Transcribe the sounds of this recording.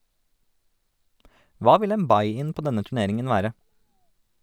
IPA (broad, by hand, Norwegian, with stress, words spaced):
ˈʋɑː ˈʋɪl ˈeːm ˈbɑɪɪn ˈpoː ˈdɛnə tʉˈneːɾɪŋən ˈʋæːɾə